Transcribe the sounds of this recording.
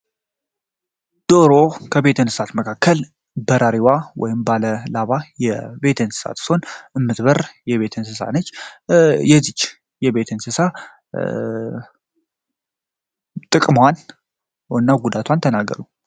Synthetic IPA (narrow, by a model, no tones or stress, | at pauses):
d̪̥oɾo̞kʰəβe̞t̪ʰɨnsɨ̥sat̪məkʰakʰːəl | bəɾʔaɾiwawɔ̰jɪmbaləlaβajɛbe̞t̪ʰɨnsɨ̥sa̰t̪sonɨmːɨt̪bərjɛβe̞t̪ʰɨnsɨsa̰nət͡ʃː | jɛzit͡ʃː | jɛβe̞t̪ʰɨnsɨsa | t̪ʼɨkʼmwan | nːaɡud̪at̪ʰwant̪ʰənaɡːə̰ɾu